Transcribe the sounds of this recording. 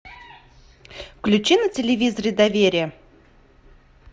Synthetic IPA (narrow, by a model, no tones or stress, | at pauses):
fklʲʉt͡ɕinətʲɪlʲɪvʲizəɾʲɪd̪ɐvʲeɾʲɪjə